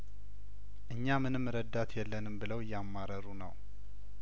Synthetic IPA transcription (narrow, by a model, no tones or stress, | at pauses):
ʔɨɲːamɨnɨmːɾəd̪ːat̪ʰjɛlːənɨmbɨləwjamːaɾəɾunə̰w